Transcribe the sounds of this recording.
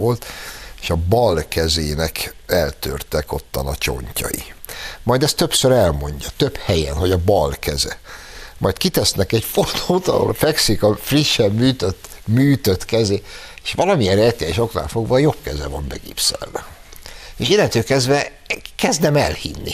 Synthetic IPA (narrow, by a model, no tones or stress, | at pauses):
o̞lt̪eːʃɒbɒlkɛzeːnɛkɛlt̪ø̰rt̪ɛko̞t̪ːɒnɒt͡ʃo̞̰ɲcɒ̰jḭmɒjd̪ɛst̪ø̞psøɾɛlmo̞ɲɟɒt̪øphɛjɛnɦo̞ɟɒbɒlkɛzɛ | mʔɒjt̪kit̪ɛsnɛkɛcfot̪ot̪ɒ̰ɦo̰lfɛksikɒfriʃːɛmːyːt̪øt̪ːmyːt̪øt̪kɛzeː | eːʃʋɒlɒmijɛnɾɛt̪ɛjɛʃo̞kna̰ːlfo̞ɡʋɒjo̞pkɛzɛvɒmbɛɡḭːpsɛ̰lvɛ | eːʃinɛt̪øːkɛzd̪vɛ | kɛzd̪ɛmɛ̰lhinːḭ